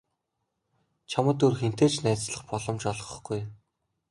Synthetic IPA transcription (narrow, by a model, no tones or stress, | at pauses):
t͡ɕʰamə̆t̪urxen̥t̪eːt͡ɕnæːt͡sɮə̆χpɔɮɞ̆mt͡ɕɔɮʁə̆χɡ̥uj